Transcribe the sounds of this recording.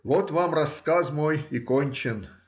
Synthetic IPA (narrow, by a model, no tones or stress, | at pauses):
vot̪vamrɐskazmojɪkonʲt͡ɕɪn